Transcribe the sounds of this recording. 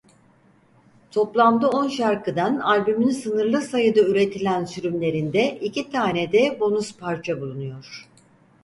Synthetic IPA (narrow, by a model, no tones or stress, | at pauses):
t̪ʰo̞plˠand̪ɯo̞nʃaɾkʰɯd̪analʲbymynsɯnɯɾlˠɯsajɯd̪ayɾe̞t̪ʰilʲænsyɾymlʲe̞ɾind̪ɛʔicʰit̪ʰaːnɛd̪ɛbo̞nuspʰaɾt͡ʃʰabulˠunujo̞ɾ̥